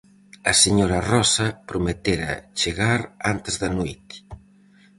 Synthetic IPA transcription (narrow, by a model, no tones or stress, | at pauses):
ɐseɲoɾarɔsɐpɾomet̪eɾɐ̰t͡ʃeɣaɾant̪ezðɐnojt̪